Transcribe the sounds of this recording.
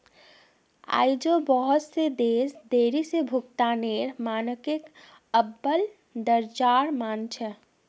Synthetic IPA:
a̰ːid͡ʒobəɦɔt̪sed̪eːsd̪eɾisebʱukt̪aneɾmaːnəkek | əbːəl | d̪əɾd͡ʒaːɾmaːnt͡ʃʰɛ

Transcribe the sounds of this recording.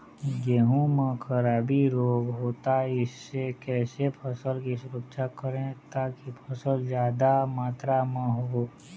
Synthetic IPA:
jeːɦũmə̃kʰəɾaːbiɾoːɡɦoːt̪aɪsːekɛːsepʰəsəlkisʊɾəkʃakəɾẽt̪aːkipʰəsəld͡ʒjaːd̪amaːt̪ɾamə̃ɦo

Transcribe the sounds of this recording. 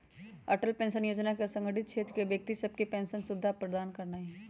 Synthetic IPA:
ɐʈəlpɛ̃ːnʃənjoːd͡ʒnakesə̃ŋɡəʈɪt̪̚ʃʰeːt̪ɾəkebjək̚t̪isɐb̚kipɛ̃ːnsənsʊbd̪ʱːapɾəd̪aːnkəɾnai

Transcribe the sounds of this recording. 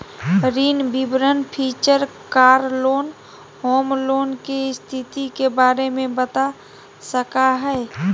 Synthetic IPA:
ɾiːnbibɾənpʰiːt͡ʃəɾkaːɾloːn | hoːmloːnkest̪ʰit̪ikebaːɾemẽbət̪a | səkaɦɛe

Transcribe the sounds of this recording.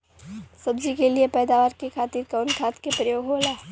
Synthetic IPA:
sɐbd͡ʒikeliepɛːd̪aːʋaːɾkekʰaːt̪iːɾkaʋnkʰaːt̪kepɾɐjoːɡʱɦoːlaː

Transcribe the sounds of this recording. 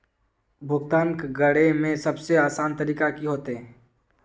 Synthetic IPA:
bʱʊɡt̪aːnkɡəɽemẽsɐbseaːsaːnt̪əɾiːkakiɦoːt̪eɦɛ̃ː

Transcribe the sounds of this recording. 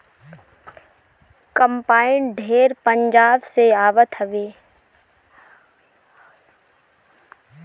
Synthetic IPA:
kəmpaːɪnɖʱeːɾpəɲd͡ʒaːbseaːʋət̪ɦəʋeː

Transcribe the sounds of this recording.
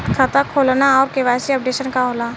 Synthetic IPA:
kʰɐt̪akʰoːlnaɔːɾkeʋaːjsiɐp̚ɖeːʃənkaɦoːla

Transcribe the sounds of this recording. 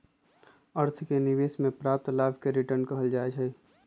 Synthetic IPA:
əɾt̪ʰkenɪʋeːsmẽpɾaːp̚t̪laːbʱkeɾɪʈəɾnkɐɦəld͡ʒaːed͡ʒʰɛ

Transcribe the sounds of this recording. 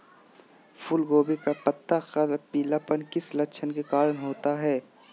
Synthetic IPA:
fʊlɡoːbekapɐt̪ːakɐlpiːlapənkɪslɐkt͡ʃʰənkekaːɾənɦoːt̪aɦɛː

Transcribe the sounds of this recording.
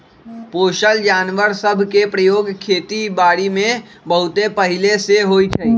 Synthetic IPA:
poːʃəld͡ʒaːnʋəɾsəbʱkepɾəjoːɡkʰeːt̪ibaːɽimẽ | bəɦʊt̪epəɦɪleseɦoːit͡ʃʰɛi

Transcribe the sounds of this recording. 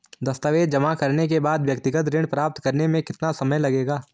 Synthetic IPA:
d̪ɐst̪əʋeːd̪d͡ʒɐmakɐɾnek̬ebaːd̪ʋjɐkt̪ɪɡət̪ɾɪɳ̃pɾaːp̚t̪kɐɾnemẽkɪt̪nasɐməjlɐɡeːɡaː

